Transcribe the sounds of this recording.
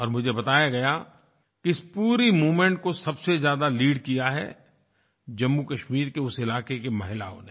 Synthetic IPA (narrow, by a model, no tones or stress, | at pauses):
ɔːɾmʊd͡ʒʱebɐt̪aːjaɡɐja | kiɪspuːɾimuːmẽɳʈ̚kosɐbsezjaːd̪aliːɖkijaɦɛ̰ | d͡ʒɐmːukɐʃmiːɾkeʊsɪlaːkekemɐɦɪla̰ːõ̰ne